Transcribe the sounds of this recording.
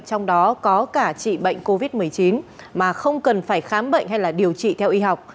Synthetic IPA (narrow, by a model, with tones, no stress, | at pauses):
t͡ɕɔ˧wŋ͡mɗɔ˨˦kɔ˨˦kaː˧˩t͡ɕḭ˧˨ɓə̰˧˨jŋ̟ko˧vi˦˥t̚mɨ˨˩əjt͡ɕi˨˦nmaː˨˩xə˧wŋ͡mkə˨˩nfaː˧˩jxaː˨˦mɓə̰˧˨ŋ̟hɦa˧jlaː˨˩ɗi˨˩əwt͡ɕḭ˧˨t̪ʰɛ˧wʔi˧ɦa˨˩wk͡p̚